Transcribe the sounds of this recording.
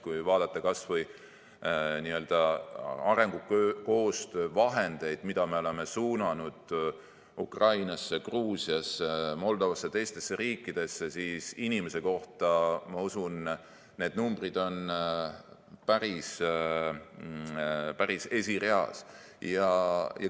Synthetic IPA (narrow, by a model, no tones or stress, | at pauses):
kujvɑːd̪̥ɑt̪ːˑɑkɑsvɤj | niø̞ld̪̥ɑɑɾe̞ŋɡ̥ukøko̞ːst̪øvɑɦe̞nd̪̥e̞jd̪̥mid̪̥ɑme̞o̞le̞me̞suːnɑnud̪̥ | ukrɑjnɑsːekruːsiɑsemo̞ld̪̥o̞vɑsːɑt̪e̞jst̪e̞sːeɾiːkːˑid̪̥e̞sːesiːsinime̞se̞ko̞ht̪ɑmɑusun | ne̞d̪numb̥rid̪o̞n | pæɾis | pæɾise̞sire̞ɑ̰s | jɑjɑ̰